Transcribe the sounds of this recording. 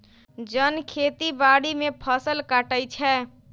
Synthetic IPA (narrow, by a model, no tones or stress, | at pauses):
d͡ʒənkʰet̪ibaɽimepʰəsəlkaʈəjt͡ʃʰɛ